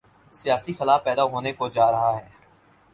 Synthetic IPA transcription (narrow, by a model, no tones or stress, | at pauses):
sijaːsixɪlaːfpːɛːd̪aɦoːnekod͡ʒaːɾɐɦaɦɛː